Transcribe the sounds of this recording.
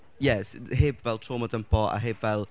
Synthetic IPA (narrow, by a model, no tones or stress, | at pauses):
jɛsɦeːbvɛlˠtʰoːmɔdəmpʰɔa̰ɦeːbvɛlˠ